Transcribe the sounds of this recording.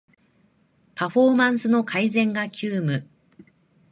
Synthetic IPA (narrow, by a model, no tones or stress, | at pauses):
paɸo̞ːmãɰ̃sɨno̞kʰaizẽ̞ŋɡakʲɨːmɯ̟